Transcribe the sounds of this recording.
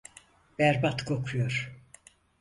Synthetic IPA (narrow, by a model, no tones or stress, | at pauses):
b̥æɾbat̪kʰo̞kʰujoɾ̥